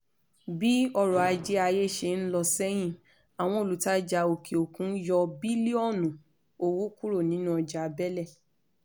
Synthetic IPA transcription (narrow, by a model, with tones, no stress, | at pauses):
bi˦ɔ˦˧ɾɔ˨a˧d͡ʒɛ˧˦a˧je˦˨ʃe˧˨n̩˦lɔ˧sɛ˦j̃ĩ˦˨ | a˨w̃ɔ̃˧o˨lu˨˦ta˦d͡ʒa˧˨o˨kʰe˨o˨kũ˨˦jɔ˧bi˦li˦ɔ˦˨nũ˨ | o˨wo˦ku˦ɾo˦˨nĩ˨˦nũ˦ɔ˧˨d͡ʒa˨˧bɛ˦lɛ˦˨